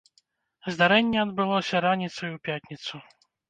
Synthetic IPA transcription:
zd̪aɾɛnʲːɛɐd̪bɨlˠɔsʲɐɾanʲit̪sɐjuwpʲjat̪ʲnʲit̪su

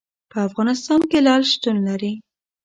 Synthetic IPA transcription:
pəafɣɑnɪst̪ɑnkelɑlʃt̪unlaɾi

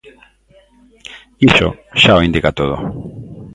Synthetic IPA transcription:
iʃo̰ʃaoind̪ikat̪oð̞o̰

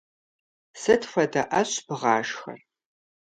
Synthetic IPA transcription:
sɐtfʷɐdɐʔɐɕbɨʁɑːʃxɐ̰r

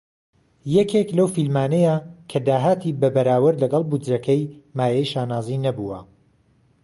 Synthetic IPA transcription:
jɛkʰeklɐwfilmaːnɛjakʰɐd̪aːɦaːt̪ʰibɐbɐɾaːwɐɾlɐɡɑlˠbud͡ʒɾɐkʰɛjmaːjɛjʃaːnaːzinɐbuwɐ̰

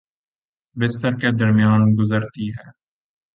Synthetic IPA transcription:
bɪst̪əɾkeːd̪əɾmɪjaːnɡʊzəɾt̪iːɦɛː

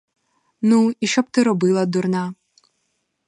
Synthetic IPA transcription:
nuiʃt͡ʃɔb̚t̪ɪɾɔbɨlˠɐd̪urnɑ

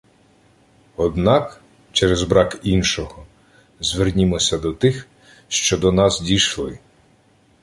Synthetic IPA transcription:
ɔd̪nɑk | t͡ʃɛɾɛzbɾɑkinʃɔɦɔ | zʋernʲimɔsʲɐd̪ɔt̪ɪx | ʃt͡ʃɔd̪ɔnɑzdʲiʃlˠɪ

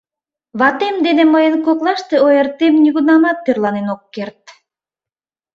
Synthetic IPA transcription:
βɑt̪emd̪enemɤjɤnkoklˠɑʃt̪ɤojert̪emnʲyɡunɑmɑt̪̚pirlˠɑnenokːeɾt̪

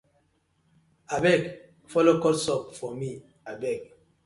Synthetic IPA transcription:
abɛɡ | fɔlokɔtsɔpfɔmi | abɛɡ

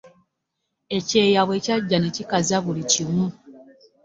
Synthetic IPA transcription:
e̞ce̞ːjaβwe̞caɟːane̞cikazaβulicimu

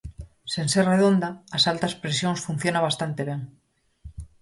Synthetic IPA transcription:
senserreðond̪aːsalt̪aspɾesjoŋsfun̟θjonaβ̞ast̪ant̪eβ̞eŋ

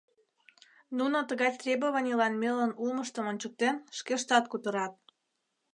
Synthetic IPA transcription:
nunot̪əɣɑjt̪rʲebəβɑnʲilɑnmelənulməʃt̪əmonʲt͡ɕək̚t̪enʃkeʃt̪ɑt̪kut̪əɾɑt̪̚

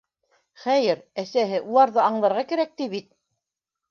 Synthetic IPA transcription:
χæjɘɾæsæɦɘʔulˠɑɾðɤɑɴlˠɑɾʁɑkæɾæk̚t̪iβit̪̚

